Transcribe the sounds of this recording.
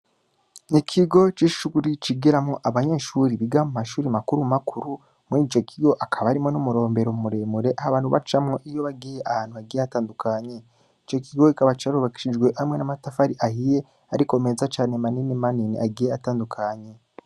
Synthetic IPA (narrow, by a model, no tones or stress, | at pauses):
nikʰiɡo̞t͡ʃiʃuɡuɾit͡ʃiɡiɾamŋo̞ʔaβaɲe̞ːʃuːɾiβiɡamumaʃuːɾimakuɾumakʰuɾu | muid͡ʒokʰiɡo̞ʔakʰaβaɾimŋonumuɾo̞ːmbe̞ɾoumuɾeːmuɾe̞ʔahaβaːnhuβat͡ʃamŋo̞ʔijo̞βaɡijeʔahaːn̥huβaɡijeataːndukʰaɲe | it͡ʃjo̞kʰiɡo̞ikaβat͡ʃiaɾuβaki̥ʃid͡ʒɡwe̞ʔhamŋe̞namatafaɾiʔahije̞ | aɾiko̞meːzat͡ʃaːnemaninimaniniʔaɡijeataːndukʰaɲe̞